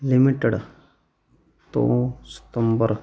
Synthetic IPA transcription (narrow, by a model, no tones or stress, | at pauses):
limiʈeɽ | t̪o̰sə̥t̪əmbəɾ